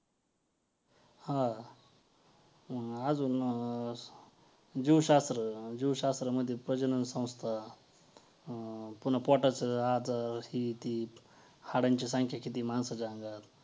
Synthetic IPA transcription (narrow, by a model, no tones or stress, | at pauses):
hã | ad͡zuːn | d͡ʑiwɕast̪ɾəd͡ʑiʋɕast̪ɾaməd̪ʱːjepɾəd͡ʑənənsə̃w̃st̪ʰa | punapɔʈat͡səad͡zaɾhiːt̪iː | haɽaɲt͡ɕisãŋkʰjakit̪̬iːmansad͡zãŋɡat̪